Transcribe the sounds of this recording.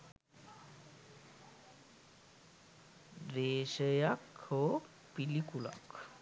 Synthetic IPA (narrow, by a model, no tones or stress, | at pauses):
dɾeːsəjakho | pilikula̰k